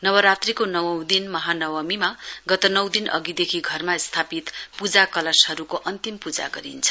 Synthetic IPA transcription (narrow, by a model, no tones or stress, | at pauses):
nʌwʌɾat̪rikonʌwʌwd̪inmʌɦanʌwʌmimaɡʌt̪ʌnʌw̃d̪inʌ̰ɡid̪ekʰiɡʱʌrmast̪ʰapit̪pud͡zakʌlʌsɦʌɾukoʔʌnt̪impud͡za̰ɡʌ̰ɾḭnt͡sʰʌ̥